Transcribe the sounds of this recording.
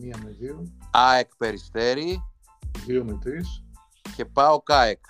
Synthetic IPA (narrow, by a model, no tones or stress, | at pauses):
miɐmeðioɐekpe̞ɾist̪e̞ɾi | ðiomit̪ɾis | ce̞pɐo̞kɐek